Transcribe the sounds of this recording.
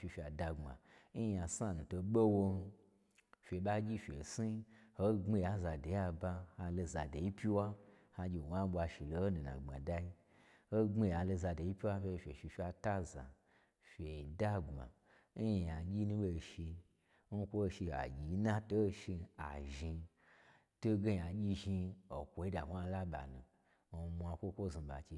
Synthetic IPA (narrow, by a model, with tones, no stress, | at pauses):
fi˧fʲi˨a˨da˧ŋ͡mma̰˨ | n̩˦˧a˨sa˧˨nũ˨to˧ɓo˦wo˧n˧ | fʲe˨ɓa˦ɡʲi˦fʲḛ˨si˦ho˦ŋ͡me˧ja˨za˨de˨ja˧ba˧ha˧lo˧za˨da˨ji˦pʲi˦wa˦ha˧ɡʲi˧˨wa˦ɓʷa˧ʃi˨lo˧ho˦nu˨nã̰˨ɡ͡ba̰˨da˧ji˦ | ho˦ŋ͡mi˧˨a˧lo˧za˧do˨ji˦pʲi˦wa˦fe˧fʲe˨ʃi˧fʲi˧a˧ta˦za̰˨ | fʲe˨da˦ɡa̰˨ | n˦ji˨ja˨ɡʲi˦nũ˦ɓo˧˨ʃi˧ | n̩˦kʷo˦˧ʃi˧a̰˨ɡʲi˨˦na˦to˦˧ʃi˧a̰˨ʒi˧ | to˦ɡe˦ja˨ɡʲi˦ʒi˧o˨kʷo˨i˦da˨hʷa˧˦la˦ɓa̰˨nũ˨ | o˧mʷ˧a˧kʷo˦kʷo˦˨zi˧ba̰˨t͡ʃe˧